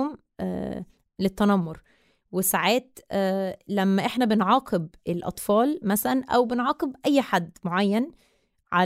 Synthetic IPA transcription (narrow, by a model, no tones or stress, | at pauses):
m̰ː | let̪ːænɑmːoɾ | wesaʕaːt̪ː | læmːæʔeħnæbenʕɑːqʰebʔelʔɑ̰t̪ˤfɑːlmæsælænʔæwbenʕɑːqebʔæjːħad̪ːmoʕajːæn | ʕa